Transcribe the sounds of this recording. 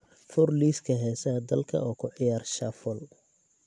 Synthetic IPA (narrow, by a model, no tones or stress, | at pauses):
fʊrliːskʰɐɦɛːsɐd̪ɐlkʰɐ̰ɔːkʰʊʕɪjaːrʃɐfɔl